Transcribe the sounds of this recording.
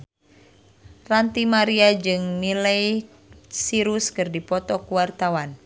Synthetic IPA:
rant̪imaɾiad͡ʒɨŋniləj | siɾuskɨrdipɔt̪ɔkuwart̪awan

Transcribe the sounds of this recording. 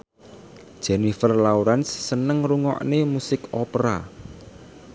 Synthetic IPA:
d̥ʒ̥ɛnifərlauɾansːənəŋruŋɔ̰ʔnemusɪkɔpəɾa

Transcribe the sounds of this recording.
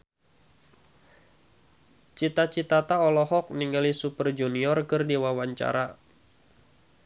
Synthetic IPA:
t͡ʃit̪at͡ʃit̪at̪aɔlɔɦɔk̚niŋɡalisupərd͡ʒuniɔrkɨrdiwawaɲt͡ʃa̰ɾa

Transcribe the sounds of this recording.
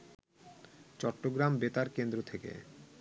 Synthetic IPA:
t͡ɕɔʈːoɡɾambet̪aɾkend̪ɾot̪ʰekḛ

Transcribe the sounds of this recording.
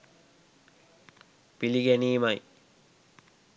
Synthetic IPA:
piliɡæniːmaj

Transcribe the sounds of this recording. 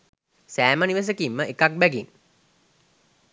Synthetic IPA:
sæːmaniʋəs̬əkimːəʔekak̚bæɡin

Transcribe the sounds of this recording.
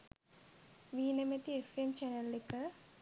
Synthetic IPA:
ʋiːnɐmet̪iefemt͡ʃɐnɐlːikːɨ

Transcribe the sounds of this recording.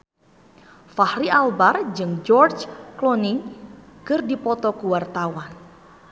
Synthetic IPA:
fahɾiʔalbard͡ʒɨŋd͡ʒɔrd͡ʒkloniŋ | kɨrdipɔt̪ɔkuwart̪awan

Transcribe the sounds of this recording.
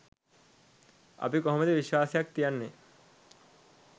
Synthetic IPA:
a̰pikɔɦmed̪ebiʃoaːsijak̚t̪ijanːe

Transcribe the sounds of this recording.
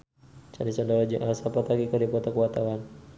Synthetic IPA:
t͡ʃa̰nisɔndaɾad͡ʒə̰ŋʔaasapat̪aɡikərdipɔt̪akuat̪awan

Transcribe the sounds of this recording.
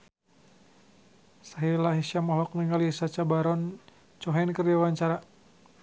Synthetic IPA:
saɦilaɦiʃamɔɦlɔk̚nəŋalisat͡ʃabaɾɔn | t͡ʃɔɦɛnkərawaɲt͡ʃaɾa

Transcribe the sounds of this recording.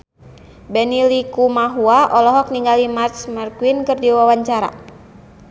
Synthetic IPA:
bɛnilikumaɦuaʔɔlɔɦɔk̚niŋɡalimart͡ʃmərkuinkɨrdiwawaɲt͡ʃaɾa̰

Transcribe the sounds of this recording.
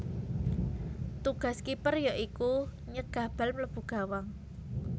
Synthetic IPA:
t̪uɡ̥ä̤skipərjaʔikuɲəɡ̥a̤b̥almləb̥ṳɡ̥a̤waŋ

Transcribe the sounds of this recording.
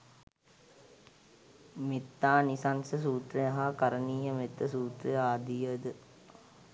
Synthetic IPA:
mit̪ːaːnisansəsuːt̪ɾejaɦakaɾəniːɦəmet̪ːəsuːt̪ɾejaːd̪ijəd̪ə

